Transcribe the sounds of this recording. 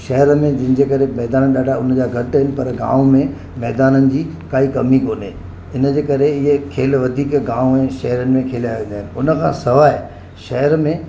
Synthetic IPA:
ʃɐɦəɾmẽd͡ʑɪ̃n̆d͡ʑeːkɐɾemɛːd̪aːnəɗaːɖʱaʊnəd͡ʑaːɡʱɐʈɦɪnɪ̆pɐɾɡã̰ːʋõmẽ | mɛːd̪aːnənɪ̆d͡ʑiː | kaːikɐmikoːneː | ɪnəd͡ʑeːkɐɾeɪɦekʰeːlʋɐd̪ʱiːkɡãːʋõɛ̃ʃɐɦəɾənɪ̆mẽkʰeːlaːjʋə̃nd̪aɦɪnɪ̆ʊnə̆kʰãːsɐʋaːɦeː | ʃɐɦəɾmẽ

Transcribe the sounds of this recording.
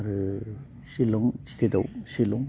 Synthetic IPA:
ɾɯ | silɔŋsi̥t̪ʰedawsilɔŋ

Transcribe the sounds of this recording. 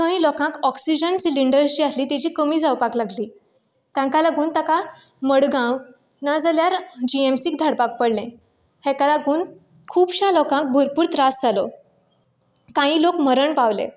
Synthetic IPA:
kə̃ĩlɔkãkɔksid͡ʑənt͡ɕiliɳɖəɾt͡ɕiːasliːt̪ɛt͡ɕiːkəmiːd͡zawpaklaɡliː | t̪jãŋkalaɡuːnt̪aka | məɽɡãw | nad͡zaljaɾd͡ʑiemsiːk̚d̪ʱaɽpak̚pəɽlẽ | hɛ̃kalaɡuːn | kʰuːbɕãlɔkãk̚bʱuɾpuːɾt̪ɾasd͡zalɔ | k̪ãĩlokməɾəɳpaʋlḛ̃

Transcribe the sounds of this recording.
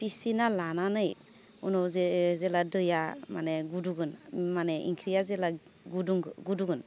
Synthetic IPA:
pʰisinalananɯj | unɔwzzɛladɯjamanɛɡuduɡɯnmanɛʔḭŋkʰɾijazɛla | ɡuduŋɡɡuduɡɯn

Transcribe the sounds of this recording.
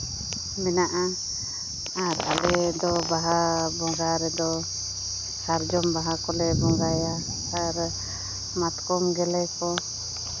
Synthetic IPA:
minaʔa | aɾa̰lɛd̪ɔbaɦabɔŋɡaɾɛd̪ɔ | saɾd͡ʒɔmbaɦakɔlɛbɔŋɡajaː | ɾ | mat̪kɔmɡɛlɛkɔ

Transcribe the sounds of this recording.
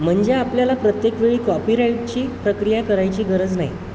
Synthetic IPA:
m̤əɳd͡ʑeapljalapɾət̪jekʋeɭiːkɔpiːɾaiʈ̚t͡ɕiːpɾəkɾijakəɾajt͡ɕiːɡʱəɾəd͡zna̰ɦj

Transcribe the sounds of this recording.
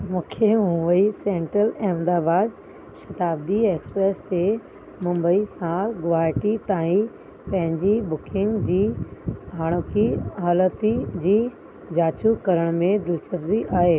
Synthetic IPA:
mũːkʰeɦũʋəisẽːɳʈɾəlɛːmd̪aːbaːd̪ | ʃɐt̪aːb̚d̪ieːkspɾeːst̪e | mʊ̃mbəisãɡʊaːɪʈit̪aːĩ | pɐ̃ɦɪ̃ɲd͡ʑibʊkʰɪ̃ŋɡd͡ʑiː | aːɽ̃oːkiɦaːlət̪id͡ʑiː | d͡ʑaːt͡ɕukɐɾəɽ̃mẽd̪ɪlt͡ɕɐbziʔaːɦeː

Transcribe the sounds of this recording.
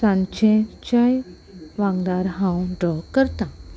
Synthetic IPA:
sãnt͡ɕẽt͡ɕãj | ʋãɡd̪aɾɦãwɖɾɔkːəɾt̪ã

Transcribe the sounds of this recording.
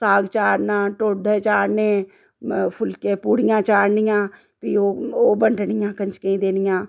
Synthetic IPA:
saːɡt͡ʃaːɾnãːʈoːɖəːt͡ʃaːɾneː | pʰʊlkeːpuːɽɪjãːt͡ʃaːɾnɪjãː | pioːoːbəɳɖnɪjãːkəɲt͡ʃkəĩːd̪eːnɪjãː

